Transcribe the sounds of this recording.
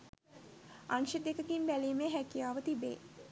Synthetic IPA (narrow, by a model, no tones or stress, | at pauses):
anʃəd̪ekəkinbæliːmeːɦækijaːʋət̪ibḛː